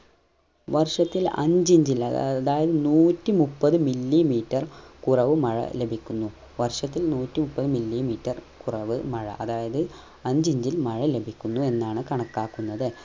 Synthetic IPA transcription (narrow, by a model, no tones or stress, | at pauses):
ʋɐrʂɐt̪ːilɐ̰ɲd͡ʑiɲd͡ʑilɐðaːjɐðɨnuːtːɨmupːɐðɨmilːimiːtːɐrkurɐʋɨmɐɻɐ̰le̞bʱikʲːunːu | ʋɐrʂɐt̪ːilnuːtːimupːɐðɨmilːimiːtːɐrkurɐʋɨmɐɻɐ̰ʔɐðaːjɐðɨ | ɐɲd͡ʑiɲd͡ʑilmɐɻɐle̞bʱikʲːunːue̞nːaːɳɨkɐɳɐkːaːkːunːɐðɨ